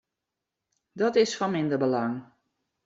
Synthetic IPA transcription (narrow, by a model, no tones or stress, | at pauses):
dɔtɪsfɔnmɪndəbəlaŋ